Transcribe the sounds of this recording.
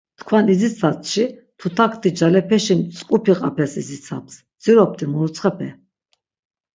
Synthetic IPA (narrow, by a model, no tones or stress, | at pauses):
t̪kʰwanizit͡sʰat͡sʼʃit̪ʰut̪ʰakʰt̪ʰʼid͡ʒalɛpʰɛʃimt͡sʼkʼupʰiqʼapʰɛsizit͡sʰa̰ps | d͡z̥iɾɔp̚t̪ʰʼimuɾut͡sʰʼχɛpʰɛ̰